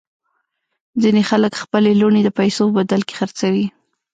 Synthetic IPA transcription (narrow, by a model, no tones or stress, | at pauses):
zinexaləkxpəleloɳed̪əpajsopəbad̪alke̥xəɾt͡sawi